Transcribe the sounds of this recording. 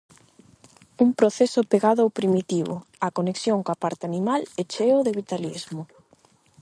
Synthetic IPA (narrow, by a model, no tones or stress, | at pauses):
uŋpɾoθesʊpeɣaðʊawpɾimit̪iβʊ̰akoneksjoŋkoapaɾt̪eanimalet͡ʃeoðeβit̪alizmʊ